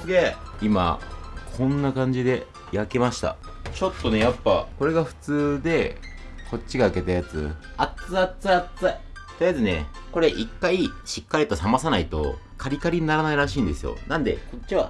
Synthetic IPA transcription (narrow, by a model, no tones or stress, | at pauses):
sɨɡe̞ima̰kʰõ̞nːakãɲ̟d͡ʑid̪e̞ | jake̞maɕi̥t̪a̰ | t͡ɕo̞t̪ːo̞ne̞japːako̞ɾe̞ɡaɸɯ̟̥t͡sɨːd̪e̞ | ko̞t̚t͡ɕːiɡaɯ̟ke̞t̪ajat͡sɨ̰at͡sɨat͡sɨat͡sa | t̪eijazɨne̞̰ | ko̞ɾe̞ʔikːaiɕi̥kːaɾʲit̪o̞samasanait̪o̰ | kʰaɾʲikaɾʲiɲinaɾanaiɾaɕ̬iːnd̪e̞sɨjo̞̰nãnd̪e̞̰ko̞t͡ɕːiβa̰